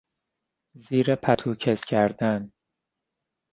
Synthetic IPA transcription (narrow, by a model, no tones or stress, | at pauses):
ziːɾepʰæt̪ʰuːcʰescʲʰæɾd̪æn